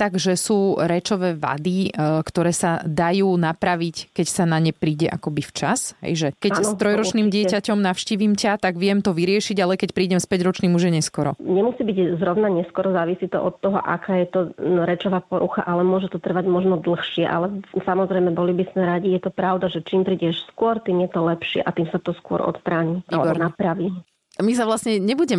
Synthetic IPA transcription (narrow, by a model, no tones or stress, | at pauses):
t̪aɡʒɛsuːɾɛt͡ʃɔʋɛːʋa̰d̪ikt̪ɔɾɛːsad̪ajuːnapɾaʋickɛcsanaɲɛpɾiːɟɛʔa̰kɔbift͡ʃasɦɛ̰jʒɛkɛanst̪ɾɔjɾɔniːmɟɪɛacɔmnafʃciːʋiːmcat̪aɡʋɪɛmt̪ɔʋiɾɪɛʃiɟalɛkɛcpɾiːɟɛmspɛɟɾɔt͡ʃniːmuʒjɛɲɛskɔɾɔɲɛmusiːbiɟzɾɔʊnaɲɛskɔɾɔzaːʋisit̪ɔʔɔt̪ːɔɦɔʔa̰kaːjɛt̪ɔɾɛt͡ʃɔʋaːpɔɾuxa̰ʔalɛmʊɔʒɛt̪ɔt̪r̩ʋaɟmɔʒnɔd̪l̩xʃɪɛʔa̰lɛsamɔzɾɛjmɛbɔlibismɛɾaɟijɛt̪ɔpɾaʊd̪aʒɛt͡ʃiːmpɾiːɟɛʃskʊɔɾt̪iːmjɛt̪ɔlɛpʃɪɛ̰ʔat̪iːmsat̪ɔskʊɔ̰ɾʔɔ̰t̪st̪ɾaːɲiʔaɛbɔɾnapɾaʋi | misaʋlasɲɛɲɛbuɟɛm